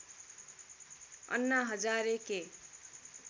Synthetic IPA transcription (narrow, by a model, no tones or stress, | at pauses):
ʌ̰nːaɦʌd͡zaɾeke